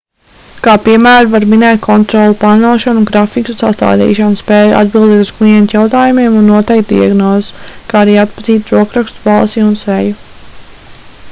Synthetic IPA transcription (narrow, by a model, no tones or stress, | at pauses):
kaːpiɛmæːɾuvaɾminɛːt̪̚kʰɔnt̪ɾɔlˠpaɾnaːʃanuɡɾafikusast̪a̰ːd̪ḭːʃanspɛːjʔa̰d̪̚bilˠd̪ɛːt̪usklˠijɛnt̪jawt̪aːjumiɛmunːuɔt̪ɛjk̚t̪̚d̪ḭaɡnɔːzkaːaɾiːat̪̚paziːt̪ɾuɔkɾakst̪u̥balˠsiunsɛju